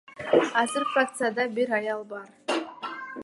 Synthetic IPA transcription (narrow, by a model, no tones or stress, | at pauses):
ɑzɨɾfrak̚t̪sɨjad̪ɑbiɾɑjɑlˠbɑɾ